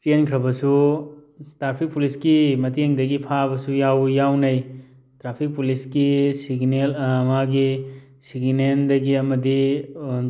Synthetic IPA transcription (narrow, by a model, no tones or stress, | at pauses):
t͡ʃenkʰɾɐbɐsu | tɾapʰik̚puliskimɐteŋdɐɡipʰabɐsujawjawnɐj | tɾapʰik̚puliskisiɡnelmaɡi | siɡnendɐɡiɐmɐdi